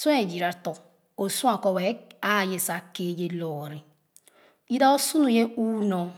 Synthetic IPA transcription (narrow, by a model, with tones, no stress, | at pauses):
su˦e˨d͡ʒi˨ɾa˨to˨ | o˨su˦a˨ko˦we˨˦a˦˨je˨sa˨ke˦˨d͡ʒe˦lɔ˨ɾi˨ | i˦da˦o˦su˦nu˨je˦uː˦nɔ˨